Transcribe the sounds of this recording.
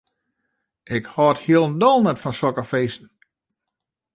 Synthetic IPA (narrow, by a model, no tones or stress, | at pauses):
ʔɪkhɔthiəlˠndɔlˠnɛtfɔnsɔkəfeːsn̩